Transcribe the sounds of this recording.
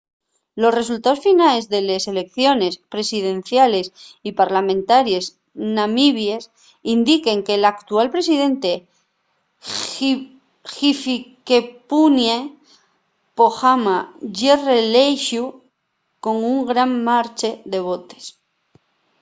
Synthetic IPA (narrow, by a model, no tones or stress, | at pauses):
lo̞sre̞s̬ult̪ao̞sfinale̞zðe̞lese̞le̞k̚θjo̞ne̞spɾe̞siðe̞n̟θjale̞sipaɾlamẽnt̪aɾje̞s | namiβje̞s | ind̪ike̞ŋkelakt̪ualpɾe̞sið̞e̞nt̪e̞ | xifkepunje | poxamaʝerelejʃu | ko̞ŋuŋɡɾammaɾt͡ʃeðe̞β̞o̞t̪e̞̥s